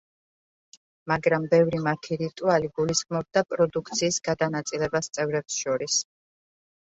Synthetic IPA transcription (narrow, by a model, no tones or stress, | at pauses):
maɡɾambɛvɾimaɾt̪ʰiɾit̪ʼualiɡulisχmɔb̚d̪apʼɾɔd̪ukʰt̪sʰiːsɡ̥ad̪anat̪sʼilɛbast̪sʼɛvɾɛpsʃɔɾis